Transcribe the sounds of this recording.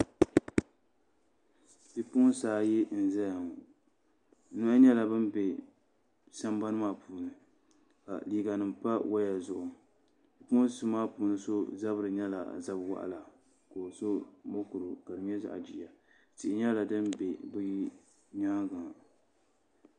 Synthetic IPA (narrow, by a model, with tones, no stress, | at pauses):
bi˨pʊ˦saː˨˦jɛ˦n̩˨za˦jŋ˨˦ | nɨ˦a˦ɲɛ˦la˨bɨ˦m˦be˨ | sa˦mba˦nɨ˦maː˦˨puː˨nɨ˨ | ka̰˨liː˦ɡa˨nɨ˨mpa˦wʔa˦ja˨zʊ˨ʔʊ˨ | bi˨pʊ˦nsɨ˦maː˦puː˨nɨ˦so˦za˦bɨ˨ɾɨ˨ɲɛ˦la̰˨za˦bwa̰˦ʔa̰˨la˨ | ko˨so˦mo˦ku˨ɾɨ˨ka˨dɨ˨ɲɛ˦za̰˦ʔa̰˨d͡ʒiː˨a˨ | tɪ˨ʔɪ˦ɲɛ˦la˨dɨ˦mbe˨bɨ˦ji˦ | ɲa˦ɡa˨ŋ˨